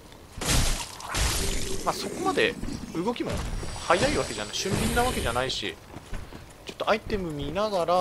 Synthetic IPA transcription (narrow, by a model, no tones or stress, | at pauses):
maːso̞ko̞mad̪e̞ɯ̟ɡo̞kʲimo̞̰hajaiβake̞d͡ʑanaiɕɨ̃mbʲind̪aβ̞ake̞ʑanaiɕḭ | t͡ɕo̞̥t̪ːo̞ait̪e̞mɯ̟mʲinaɡaɾa